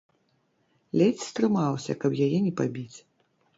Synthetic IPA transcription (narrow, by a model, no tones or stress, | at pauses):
lʲɛt͡sʲst̪ɾɨmawsʲɐ̰kɐpjajɛnʲɛpabʲit͡sʲ